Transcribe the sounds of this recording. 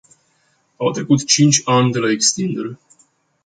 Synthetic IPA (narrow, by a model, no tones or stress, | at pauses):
awt̪ɾe̞kut̪t͡ʃint͡ʃʲanʲd̪elaekst̪ind̪elʲ